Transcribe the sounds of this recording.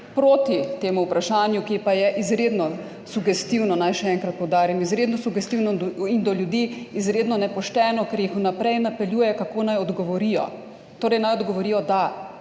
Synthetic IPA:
pɾoːt̪it̪eːmuupɾaʃaːnjukipajɛʔizɾeːd̪nɔ | suɡɛst̪iwnɔnajʃɛɛŋkɾɐt̪̚pɔwd̪aːɾimizɾeːd̪nɔsuɡɛst̪iwnɔind̪ɔljud̪iizɾeːd̪nɔnɛpɔʃt̪ɛːnɔkɛɾjixunapɾɛjnapɛljuːjɛkakoːnajɔd̪ɡɔʋɔɾijɔ̰ | t̪oːɾɛjnajɔd̪ɡɔʋɔɾiːjɔd̪a

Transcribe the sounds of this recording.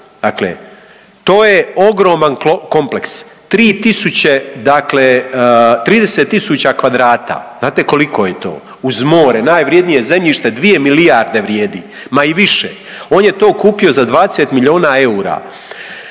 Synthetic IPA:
d̪̥aklḛ | t̪o̞ːje̞oɡɾo̞ːmanko̞mplekst̪ɾiːt̪isut͡ɕe̞d̪aklet̪ɾiːd̪e̞set̪ːisut͡ɕakʋad̪ɾaːt̪a̰ːzaːt̪e̞ko̞liko̞jet̪o̞̰ː | uzmo̞ːɾenaːjʋɾje̞d̪nije̞zemʎiʃt̪e̞d̪ʋije̞miliaɾd̪e̞ʋɾjeːd̪i | maiʋiʃḛ | o̞ːnje̞t̪o̞ːkuːpio̞zad̪ʋaːd̪eset̪miʎio̞ːnae̞uːɾa̰ː

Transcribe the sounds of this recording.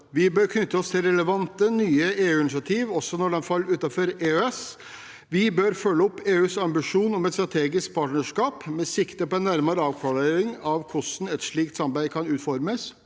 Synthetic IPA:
ʋɪbøːɾkʰnʏt̪ːəɔst̪ʰɪlɾɛləʋɑnt̪ənyːəeːʉːɪnɪsɪɑt̪ʰiːʋɔsːɔnɔɖɛnfɑlːʉːt̪ɑfɔɾeːøɛs | ʋɪbøːɾfœlːəɔpːeːʉːsɑmbɪʂuːnɔmɛt̪st̪ɾɑt̪ʰeːɡɪsk̚pʰɑːʈɳəʂkɑːpmɛsɪkt̪əpɔɛnːæɾmɑɾəɑːʋkʰʋɑleɾɪŋɑʋkʰʊsn̩ɛt̪ʂɭiːkt̪sɑmbæɪkʰɑnʉːt̪fɔɾməs

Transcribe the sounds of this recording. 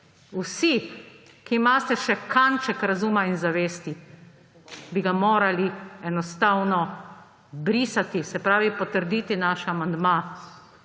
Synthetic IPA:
usi | kiːmaːst̪ɛʃɛkant͡ʃɛkɾazuːmainzaʋeːst̪i | biɡamoːɾaliɛnɔst̪aːwnɔ | bɾiːsat̪isɛpɾaːʋipɔt̪əɾd̪iːt̪inaːʃamand̪ma

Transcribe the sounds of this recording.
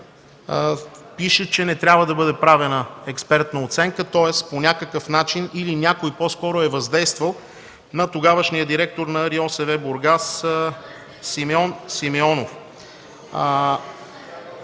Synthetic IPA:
piʃət͡ʃɛnɛt̪ɾʲabvəd̪ɐbɤd̪ɛpɾavɛnəɛkspɛɾt̪nəot̪sɛŋkət̪ɔɛsponʲakəkəfnat͡ʃinilinʲakojposkɔɾʊɛvɐzd̪ɛjst̪vəlˠ | nɐt̪oɡavəʃnijəd̪iɾɛk̚t̪oɾnɐːɾiɔsɛvɛboɾɡas | simɛɔnsimɛɔnof

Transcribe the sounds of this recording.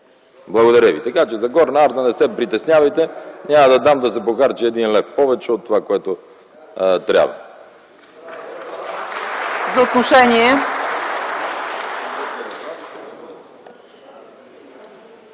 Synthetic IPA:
blˠɐɡod̪ɐɾʲjəvit̪ɐkat͡ʃɛzɐɡɔɾnaaɾt̪ɐnɛsɛpɾit̪ɛsnʲavɐjt̪ɛnʲamɐd̪ɐd̪amd̪ɐs̬ɛpoxaɾt͡ʃiɛd̪inlɛfpɔvɛt͡ʃɛot̪ːovakoɛt̪o | t̪ɾʲja̰bvə̰ | zot̪noʂɛɲɛ

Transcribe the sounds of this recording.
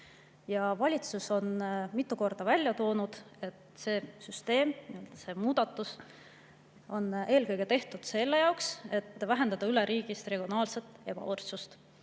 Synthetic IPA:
jɑvɑlʲit̪suso̞nmit̪ːuko̞rd̪̥ɑvælʲjɑt̪o̞ːnud̪̥e̞t̪se̞ːsyst̪e̞ːmniøld̪̥ɑse̞muːd̪̥ɑt̪ːˑus | o̞ne̞ːlkɤjɡ̥e̞t̪e̞ht̪ud̪̥se̞lːe̞jɑokse̞t̪ːˑvæɦe̞nd̪̥ɑd̪ɑyleɾʔiːɡ̥ist̪re̞ɡ̥io̞nɑːlse̞t̪ˑe̞b̥ɑ̰ort̪sust̪

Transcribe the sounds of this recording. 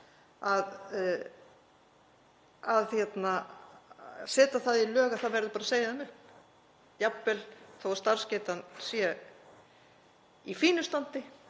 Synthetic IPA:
að | aðhjɛt̪na | sɛːt̪aθaðilœːɣaθaðvɛɾðʏpaːɾaseːjaðmʏ | japːɛlθowast̪aɾ̥scɛːt̪ansjɛ | ifiːnʏst̪ant̪ɪ

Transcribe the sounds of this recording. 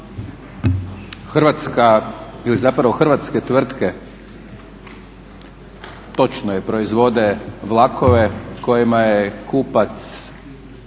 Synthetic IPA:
xr̩ʋat̪skailizapɾaʋo̞xrʋat̪ske̞t̪ʋr̩t̪ke | t̪o̞t͡ʃnojepɾo̞izʋo̞d̪e̞ʋlˠakʰo̞ʋeko̞jimajekuːpat̪s

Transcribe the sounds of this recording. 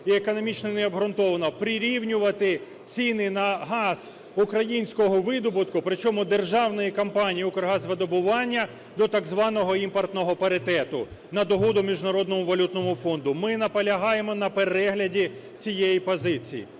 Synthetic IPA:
iekɔnɔmʲit͡ʃnɔneɔbɦɾʊnt̪ɔʋɐnɔpɾʲɪɾʲiwnʲʊʋɐt̪ɪ | t͡sʲinɪnɐɦɑz̥ | ukɾɐjinʲsʲkɔɦɔʋɪd̪ɔbʊt̪kʊpɾɪt͡ʃɔmʊd̪erʒɑwnɔjikɐmpɑnʲijiukɔrɦɑzʋed̪ɔbʊʋɑnʲːɐ | d̪ɔt̪ɐɡzʋɑnɔɦɔimpɔrt̪nɔɦɔpɐɾɪt̪ɛt̪ʊ̰nɐd̪ɔɦɔd̪ʊmʲiʒnɐɾɔd̪nɔmʊʋɐlʲut̪nɔmʊfɔnd̪ʊmɪnɐpɐlʲɐɦɑjemɔnɐpeɾɛɦlʲɐdʲi | t͡sʲijejipɔzɪt͡sʲijḭ

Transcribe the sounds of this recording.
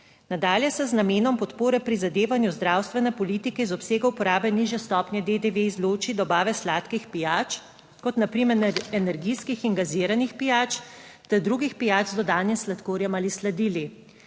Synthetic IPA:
nad̪aːljɛsɛznameːnɔmpɔt̪poːɾɛpɾizad̪eːʋanjuzd̪ɾaːwst̪ʋɛnɛpɔliːt̪ikɛizɔpseːɡaupɔɾaːbɛniʒjɛst̪ɔːpnʲjɛd̪ed̪eʋeizloːt͡ʃid̪ɔbaːʋɛslaːt̪kixpijaːt͡ʃ | kɔt̪napɾimɛnɛnɛɾɡiskixinɡaziɾanixpijaːt͡ʃt̪ɛd̪ɾuːɡixpijaːd͡ʒzd̪ɔd̪aːnjɛslat̪koːɾjɛmaːlislad̪iːli

